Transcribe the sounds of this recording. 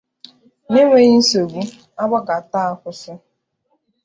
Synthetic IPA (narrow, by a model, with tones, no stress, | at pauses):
ne˦ŋʷe˦ɣi˦n̩˦so˨bu˦ | a˦ɡ͡ba˦ɡa˨ta˦a˦kʷʊ˦sʊ˦